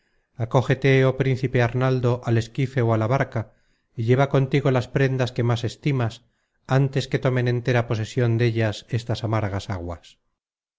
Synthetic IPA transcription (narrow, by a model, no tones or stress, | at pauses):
ako̞xe̞t̪eopɾin̟θipe̞aɾnald̪o̞ʔale̞skife̞oalaβaɾka | iʎe̞β̞ako̞nt̪iɣo̞laspɾe̞nd̪aske̞mase̞st̪imas | ant̪e̞ske̞t̪o̞me̞nẽ̞nt̪e̞ɾapo̞se̞sjo̞nd̪e̞ʎase̞st̪asamaɾɣasaɣwas